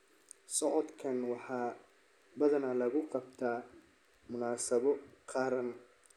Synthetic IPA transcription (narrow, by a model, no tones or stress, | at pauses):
sɔʕɔd̪kʰɐnwɑħɑː | bɐðɐnɐlɐɣʊqɑbt̪ʰaː | mʊnaːsɐβɔqʰɑːɾɐn